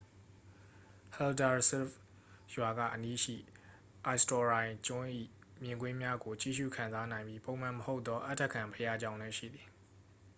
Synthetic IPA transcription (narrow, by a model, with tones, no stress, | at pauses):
hɛ˨lda˨sɛ˦f | jwa˨ɡä̰˦˨ʔəni˦ʃḭ˦˨ | ʔa˨ɪstɔ˨ɹã˨ɪ̃t͡ɕʊ̃˦ʔḭ˦˨ | mjɪ̃˨ŋɡwɪ̃˦mja˦ɡo˨t͡ɕḭ˦˨ʃṵ˦˨kʰã˨nza˦nã˨ɪ̃mbji˦põ˨m̥ã˨məho˦ʊt̪ːɔ˦ʔa̰˦tʰːɛ˦˨kʰã˨mpʰəja˦d͡ʑã˦ʊ̃lɛ˦ʃḭ˦˨d̪ði˨